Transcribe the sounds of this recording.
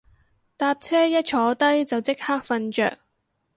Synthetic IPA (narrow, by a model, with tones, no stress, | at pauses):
t̪aː˧p̚t͡sʰɛː˥jɐ˥t̚t͡ʃʰɔː˨˥t̪ɐ˥jt͡sɐ˨wt͡sɪ˥k̚haː˥k̚fɐ˧nt͡ʃœ̰ː˨k̚